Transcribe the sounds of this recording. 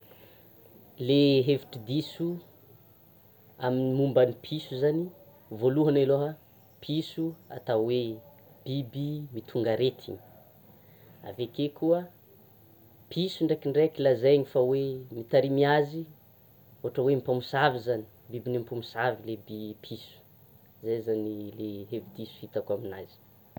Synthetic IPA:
leɦeviʈ͡ʂid̪isu | aminimumbanipʰisuzani | voluɦanaloɦa | pʰisua̰t̪awe | b̥ibimit̪ʰuŋɡaɾet̪ʰḭɲ | a̰vekekuə | pʰisuɳɖ͡ʐekiɳɖ͡ʐekilazeɲifawemit̪aɾimiazi | oɦaʈ͡ʂəwemipamusavizani̥bibinemipumusavilebipʰisu̥ | zejzanileɦevid̪isu̥hit̪akuaminazi̥

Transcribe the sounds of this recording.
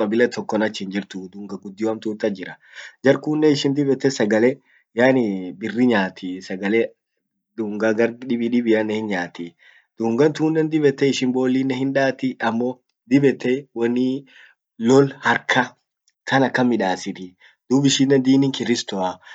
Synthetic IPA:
kʼɐbɪlɐt̪ʰɔkːɔnɐt͡ʃːɪɪnd͡ʒɪɾt̪ʊd̪uːŋɡɐɡʊd̪ːɪwɐmt̪uːnt̪ɐd͡ʒɪɾɐ | d͡ʒɐɾkuːnːɛɪʃɪnd̪ɪbɛt̪ːɛsɐɡɐlɛ | jaːnɪbɪrːɪɲaːt̪ʰisɐɡɐlɛ | d̪uːŋɡaɡɐɾd̪ᶑɪbɪᶑɪbɪjanːɛhɪnɲaːt̪i | d̪̥uːŋɡɐnt̪uːnːɛnd̪ɪbɛt̪ːɛɪʃɪnbo̞ːlːinːɛhɪnᶑaːt̪ɪɐmːɔ | d̪ɪbɛt̪ːɛwɐnːɪ | lɔlhɐɾkʰɐ | t̪ʰɐnɐkːɐmːɪᶑaːsɪt̪ɪ | d̪̥uːbɪʃɪnːɛnd̪iːnɪŋkɪɾɪst̪ɔa

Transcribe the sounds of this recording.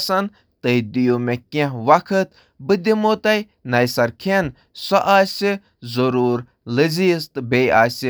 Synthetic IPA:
sɐn | t̪əjd̪ijumekẽɦʋɐkʰɨt̪ | bɨd̪ʲimoːt̪ɐj | nɐjsɐɾkʰen | sɐʔaːsʲi | zɐɾuːɾ | lɨziːst̪ɨbeːjaːsi

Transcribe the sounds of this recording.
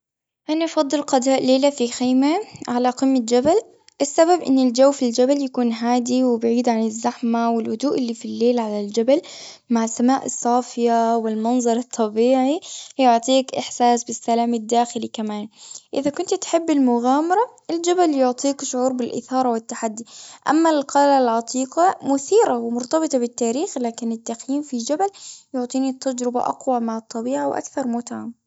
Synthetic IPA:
ʔanaʔɑfɑd̪ˤːɨlqɑd̪aːʔleːlafixiːmaʕalaqɨmːat̪d͡ʒabal | ʔɪsːababʔɪ̰nːɪld͡ʒawːfild͡ʒabaljakuːnɦaːd̪iwɪbɪʕiːd̪ʕanɪzːaħmawɪlhʊd̪uːʔɪlːifilːeːlʕalald͡ʒabal | maʕɪsːamaːʔɨsˤːɑːfɪjawɪlmɑnzˤɑɾˤɨt̪ˤʰːɑbiːʕijʊʕt̪ˤiːkʔɪħsaːsbɪsːalaːmɪd̪ːaːxɪlikamaːnʔɪðakʊnt̪t̪ħɪbːɪlmʊɣaːmɑɾˤɑʔɪld͡ʒabaljʊʕt̪ˤiːkʃʊʕuːɾbɪlʔɪ̰θɑːɾˤɑwɪt̪ːaħad̪ːiʔa̰mːalqɑlalʕɑt̪ˤiːqɑmʊθiːɾawɪmʊɾt̪ɑbɨt̪ˤɑbɪt̪ːaːɾiːxlaːkɪnɪt̪ːaqjiːmfid͡ʒabaljʊʕt̪ˤiːnit̪ːad͡ʒɾɪba̰ʔɑ̰qwamaʕɨt̪ˤːɑbiːʕawʔa̰kθɑɾˤmʊt̪ʕam

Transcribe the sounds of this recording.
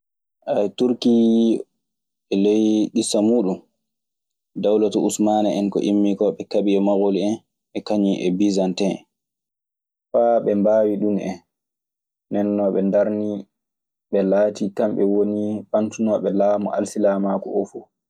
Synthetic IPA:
ʔajtuɾki | ɓɛlejɗisːamuːɗum | dawlatɔusmanaɛnkɔ̰ʔimːikɔɓɛkaɓiɛmaɡoliɛn | ɓɛkaɲiʔɛbizantɛ | faɓɛmbawiɗunɛ̰n | nɛnːɔɓɛndaɾni | ɓɛlaːtikamɓɛwoniɓantunɔɓɛlaːmuʔa̰lsilamakɔʔofu

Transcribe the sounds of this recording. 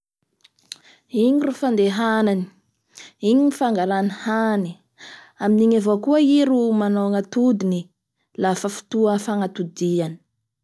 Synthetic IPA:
iɲiɾufand̪eɦanani̥ | iɲinifaŋɡaɾanihani | aminiɲavokuəiɾumanoŋat̪ud̪ini | lafəfi̥t̪uəfaŋat̪ud̪iani̥

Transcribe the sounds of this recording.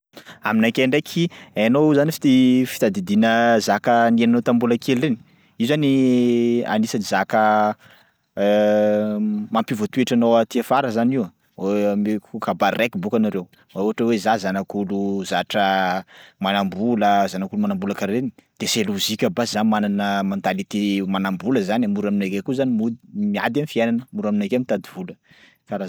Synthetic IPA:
aminakʲeɳɖ͡ʐekʰiajanozanifi̥t̪ifi̥t̪ad̪id̪inəzakənienanot̪ambulakʰeleni̥ | izzani | a̰nisanizakə | mampivot̪ueʈ͡ʂanowat̪iafaɾəzaniwa | emekukabaɾrekibukanaɾew | mauɦaʈ͡ʂəwezazanakuluzaʈ͡ʂə | manambuləzanakulumanambuləkaɾenid̪̥eseluzikʲəbazanmananəmɔnt̪alit̪emanambuləzanamuɾaminakekuzanimumia̰d̪amifiajnanəmuɾaminakamit̪ad̪ivulə | kaɾa

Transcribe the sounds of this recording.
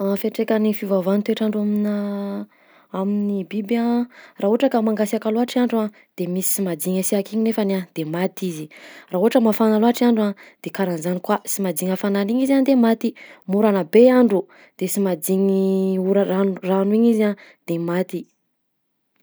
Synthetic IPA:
afeʈ͡ʂekənifivavant̪eʈ͡ʂaɳɖ͡ʐuamina | aminibibaraːɦuɦaʈ͡ʂəkamaŋɡasakaloaʈ͡ʂiaɳɖ͡ʐuã | d̪̥emisi̥simad̪iɲasiakiɲinefanad̪̥emat̪iziraɦuaʈ͡ʂəmafanaloaʈ͡ʂiaɳɖ͡ʐuad̪̥ekaɾanzanikwasimad̪iŋəfananiɲizand̪emat̪imuɾanəbeaɳɖ͡ʐu | d̪̥esimad̪iɲiuɾaanranuiɲizãd̪̥emat̪i

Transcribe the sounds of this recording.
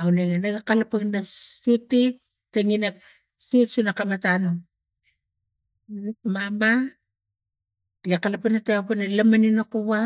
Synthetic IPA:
awneŋanaɡakalapaŋnassiti | teŋinak̚ | sitsunakamatano | mama | ɡakalapanateapanalamaninakuβa

